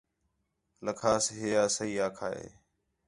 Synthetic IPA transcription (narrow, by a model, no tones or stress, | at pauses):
ləkʰaːsɦeːjaːsəɦiːaːkʰaːḛː